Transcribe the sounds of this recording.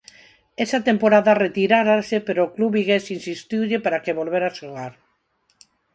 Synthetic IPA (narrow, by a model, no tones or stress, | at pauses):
ɛsat̪empoɾaðaret̪iɾaɾasepeɾoːkluβiɣesinsist̪iwʎepaɾakeβolβeɾaʃuɣaɾ